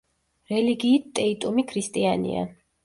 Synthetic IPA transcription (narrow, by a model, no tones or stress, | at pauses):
ɾɛliɡiːt̪̚t̪ʼɛit̪ʼumikʰɾist̪ʼianḭa̰